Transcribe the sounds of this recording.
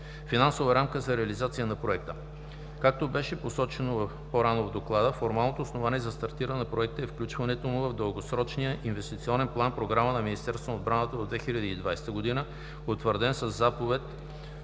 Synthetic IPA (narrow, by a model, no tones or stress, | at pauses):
finansovəɾamkəzɐɾɛəlizat̪sijənɐpɾoɛk̚t̪ə | kak̚t̪obɛʃɛposɔt͡ʃɛnovfpoɾanovd̪oklˠad̪əfoɾmalˠnot̪oːsnovaniɛzɐst̪ɐɾt̪iɾənɛnɐpɾoɛk̚t̪əɛfklʲut͡ʃvɐnɛt̪omʊvɐvd̪əlˠɡosɾɔt͡ʃnijəʔinvɛst̪it̪siɔnɛnplˠanpɾoɡɾamənɐminist̪ɛɾst̪vonɐod̪bɾanət̪əod̪vɛxiʎʲəd̪iːd̪vajsɛ̥t̪əɡod̪inə | ot̪vəɾd̪ɛnsəzːapovɛt̪